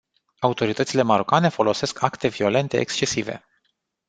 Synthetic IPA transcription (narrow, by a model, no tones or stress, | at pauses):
aut̪o̞ɾit̪ət̪sile̞maɾokane̞fo̞lo̞se̞skʰakt̪e̞vio̞le̞nt̪e̞ḛkst͡ʃe̞sive̞̰